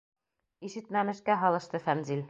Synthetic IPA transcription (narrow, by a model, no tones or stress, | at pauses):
iʃɘ̆t̪mæmɘ̆ʃkæɦɒlˠɤ̆ʃt̪ɤfænzil